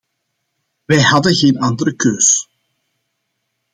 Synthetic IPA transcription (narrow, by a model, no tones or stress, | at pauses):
ʋɛjhɑdəɣeːnɑndəɾəkøːs